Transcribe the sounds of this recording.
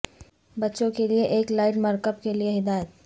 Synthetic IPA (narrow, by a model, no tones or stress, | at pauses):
bɐtːʃõkelieʔeːklaːɪʈməɾkəbkelieɦɪd̪aːjət̪̚